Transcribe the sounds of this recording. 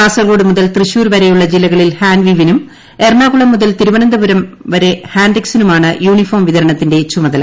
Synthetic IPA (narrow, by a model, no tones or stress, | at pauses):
aːsɐɣo̞ːɽɨmuðɐlt̪rɨɕuːɾʋɐɾejuɭːɐd͡ʑilːɐɣɐɭilhaːnʋiʋinum | e̞rɳaːɣuɭɐmːuðɐlt̪iɾuʋɐnɐnd̪ɐbɐɾɐmʋɐɾe̞haːnɖeksinumaːɳɨjuːɳifoːrmʋiðɐɾɐɳɐt̪ːinde̞t͡ɕumɐðɐlɐ